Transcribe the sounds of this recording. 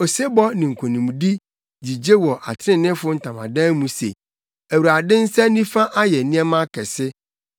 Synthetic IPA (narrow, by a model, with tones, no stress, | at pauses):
o˨se˦bɔ˦nɪ̃˨ŋ̩˨kʷʰo˨nĩ˨m˨di˦ | d͡ʑi˨d͡ʑe˦wɔ˨ʔa̰˨tʰɪ˦ɾɪ̃˦nɪ̃˦fʊ˦n̩˨tʰã˨mã̰˨dã˦mũ˦sḛ˨ | æ˨wu˨ɾa˨dɪ̃˦n̩˦sɛ˦nĩ˦fã˦ʔa˦jɛ˨nĩ˦ɛ˦mã˦kʰɛ˨sɪ˦